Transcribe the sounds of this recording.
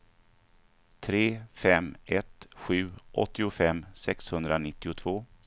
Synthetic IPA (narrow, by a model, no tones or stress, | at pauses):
t̪ʰɾeːfɛmɛt̪ɧʉ̟ːʔɔ̰t̪ːɪʊfɛmːsɛkshɵnd̪ɾanɪt̪ːɪʊt̪ʰv̥oː